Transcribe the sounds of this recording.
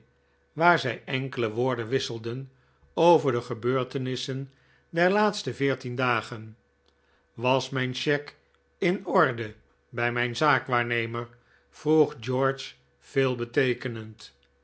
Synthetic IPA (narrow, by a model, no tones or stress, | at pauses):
ʋaːɹzɛjɛŋkələʋʊːɹdənʋɪsəlˠdən | owvəɹdəχəbøːɹtənɪsən | dɛɹlaːtstəvɪːɹtindaːχən | ʋɑsmɛjnʃɛk | ɪnɔɹdə | bɛjmɛjnzaːkʋaːɹnejməɹ | v̥ruχd͡ʒɔɹt͡ʃ | fɪːlˠbətejkənənt